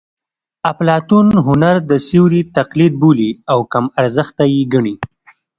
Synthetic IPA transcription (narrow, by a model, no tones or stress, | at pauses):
aplɑt̪unɦʊnaɾd̪əsiwɾit̪aqlid̪̚buliawkamaɾzəxt̪ajiɡaɳi